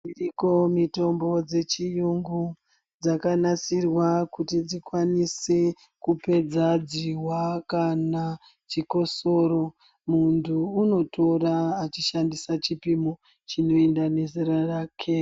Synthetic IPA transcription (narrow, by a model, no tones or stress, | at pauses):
iriko̞mito̞mbo̞d͡ze̞t͡ʃijuŋɡu | d͡zakanasirwakutid͡zikwanise | kupe̞d͡zad͡ziɦwakana | t͡ʃiko̞so̞ɾo̞ | muntʰuːno̞tʰo̞ɾaːt͡ʃiʃandisat͡ʃipimo | t͡ʃino̞endane̞ziɾaraːkʰe